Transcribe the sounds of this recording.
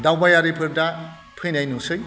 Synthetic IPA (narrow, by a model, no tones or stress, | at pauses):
dawbajaɾipʰɯɾda | pʰɯjnajnusɯj